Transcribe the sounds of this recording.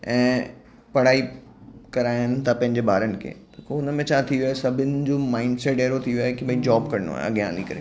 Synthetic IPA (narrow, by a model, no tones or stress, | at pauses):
ɛ̃ː | pɐɽ̤aːi | kɐɾaːɪənɪ̆t̪ʰapɐ̃ɦɪ̃ɲd͡ʑebʱaːɾənɪ̆kʰḛːt̪okʊnəmẽt͡ɕʰat̪ʰioaesɐbʱɪnɪ̆d͡ʑoːmaːɪɳɖseʈeːɾot̪ʰioaːekibʱɐid͡ʑaːbkɐɾɪno̰a̰ːḛɐ̰ɠjãnĩkɐɾe